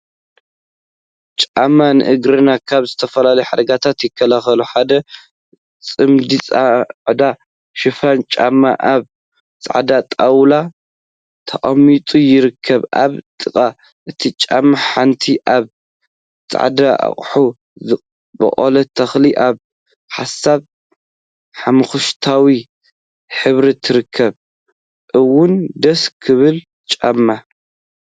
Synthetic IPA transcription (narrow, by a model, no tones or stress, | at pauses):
t͡ʃʼamːanɨ̰ʔɨɡɾɨnakʰaβzɨt̪ʰɐfɐlalɐjuħad̪ɐɡat̪ʰat̪jɪkʰːɐlaxɐluħad̪ɐ | t͡sʼɨmd̪it͡sʼaʕd̪a | ʃɪfant͡ʃʼamːaʔaβ | tt͡s̪ʼa̰ʕd̪at̪ʼawla | t̪ʰɐʔʼɐmːit̪ʼujɪɾɨkʰːɐβa̰βt̪ʼɨkʼa | ʔɨt̪ʰit͡ʃʼamːaħant̪ʰiʔaβ | t͡sʼa̰ʕd̪aʔa̰χʼħu | zɨ | bɐ̰ʔʼolɐt̪ʰɐxliʔaβ | ħasaβ | ħamɨxuʃt̪ʰawi | ħɨβɾit̪ʰɨɾɨkʰːɐβ | ʔɨwːʊnd̪ɐskʰɨβɨl | t͡ʃʼamːa